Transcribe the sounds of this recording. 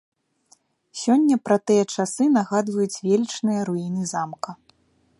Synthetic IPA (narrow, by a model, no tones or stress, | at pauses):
sʲɔnʲːɐpɾɐt̪ɨjɐt͡ʂasɨnaɣad̪vɐjut͡sʲvʲelʲit͡ʂnɨjɐɾuinɨzamkɐ